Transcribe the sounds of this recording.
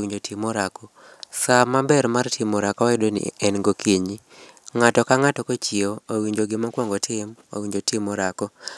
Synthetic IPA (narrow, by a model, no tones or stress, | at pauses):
iɲd͡ʒotʰɪmɔɾakɔ | samabɛɾmartʰɪmɔɾakɔɛɪdonḭɛnɡokʰiɲi | ŋatɔkaŋatɔkot͡ʃioawiɲd͡ʒoɡɪmakwɔŋɡɔtʰɪma̰wiɲd͡ʒotɪmɔɾakɔ